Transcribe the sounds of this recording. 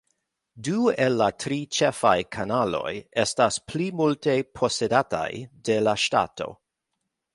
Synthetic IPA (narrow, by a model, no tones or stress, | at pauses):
duelːatʰɾit͡ʃefajkʰanalo̞̰jestasplimulte̞pʰo̞se̞data̰jde̞laʃta̰to̞̰